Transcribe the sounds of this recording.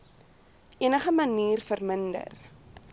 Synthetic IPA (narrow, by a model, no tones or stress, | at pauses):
ʔiənəχəməniːrfərməndə̰r